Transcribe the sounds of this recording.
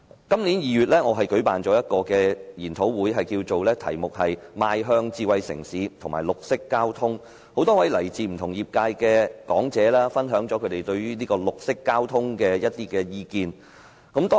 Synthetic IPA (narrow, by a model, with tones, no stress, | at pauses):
kɐ˥mniː˨˥njiː˨jyː˨t̚lɛː˥ŋɔː˨˧ɦɐ˨jkɵ˨˥ɥpaː˨nt͡ʃɔː˨˥jɐ˥t̚kɔː˧kɛː˧jiː˨˩nt̪ʰo˨˥wwuː˨˥jɦɐ˨jkiː˧wt͡so˨wlɛː˥t̪ʰɐ̰˨˩jmʊ˨k̚hɐ˨jmaː˧jɦœː˧ŋt͡siː˧wɐ˨˧jsɪ̰˨˩ŋsiː˨˥t̪ʰʊ˨˩ŋmaː˨˩lʊ˨k̚sɪ˥kːaː˥wt̪ʰʊ˥ŋ | ho˨˥wt̪ɔː˥wɐ˨˥jlɐ˨˩jt͡siː˨m̩˨˩t̪ʰʊ˨˩ŋjiː˨p̚kaː˧jkɛː˧kɔː˨˥ŋt͡sɛː˨˥laː˥fɐ˥nɦœː˨˥ŋt͡ʃɔː˨˥kʰɵ˨˧t̪e˨jt̪ɵ˧ɥɥyː˥niː˥kɔː˧lʊ˨k̚sɪ˥kːaː˥wt̪ʰʊ˥ŋkɛː˧jɐ˥t̚t̪iː˥kɛː˧jiː˧kiː˨˧n | kɐ˨˥mt̪ɔː˥